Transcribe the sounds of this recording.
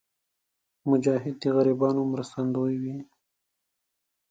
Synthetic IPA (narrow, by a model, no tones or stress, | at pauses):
mʊd͡ʒɑːɦɪd̪̚d̪iɣaɾibɑːnomɾəst̪and̪ojwi